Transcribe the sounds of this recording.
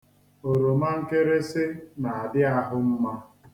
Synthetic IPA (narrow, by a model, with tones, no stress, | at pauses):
o˨ɾo˨ma˦ŋ̩˦ke˦ɾe˦sɪ˦na˨a˨dɪ˦a˦ɦʊ˦m̩˦ma˦